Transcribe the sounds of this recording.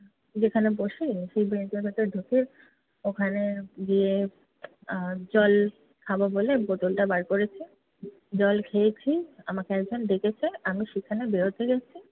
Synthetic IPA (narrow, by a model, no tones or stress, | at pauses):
d͡ʑekʰaneboʃeiʃejbet̪obʱet̪eɾd̪ʱokiɾ | okʰaneɡie | d͡ʑɔl | kʰabobolebot̪olʈabaɾkoɾet͡ɕʰi | d͡ʑɔlkʰejt͡ɕʰiamakeɛk̚d͡ʑonɖ̪ekʰet͡ɕʰeamiʃekʰanebeɾot̪eɡɛt͡ɕʰi